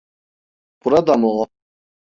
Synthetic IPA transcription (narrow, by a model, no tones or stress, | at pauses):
pʼuɾad̪amɔɔ